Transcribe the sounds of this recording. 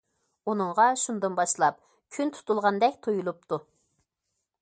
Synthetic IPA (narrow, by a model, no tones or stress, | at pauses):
unɨŋʁɑʃund̪ɨnbɑʃlˠɑp̚ | kʲʰynt̪ʰu̥t̪ʰulˠʁɑnd̪ɛkʲt̪ʰojulˠup̚t̪ʰu